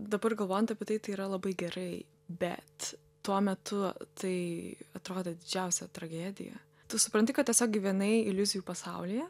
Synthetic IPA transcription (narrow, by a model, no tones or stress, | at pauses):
d̪ɐbɐrɡɐlˠʋoːjɛnt̪ɐpʲiɛt̪ɐɪt̪ɐɪiːɾɐlˠɐbɐɪɡʲɛɾɐɪ | bʲɛ̰t̪ | tuɔmʲɛt̪ʊt̪ɐɪɐt̪ɾoːd̪eːd̪ʲɪd͡ʒʲɛʊsʲɛt̪ɾɐɡʲæːd̪ʲɪ̰jɛ̰ | t̪ʊsʊpɾɐnʲt̪ʲɪkɐt̪t̪ʲiɛsʲoːk̚ɡʲɪʋʲiɛnɐɪɪlʲʊzʲɪjuːpɐsɐʊlʲɪjɛ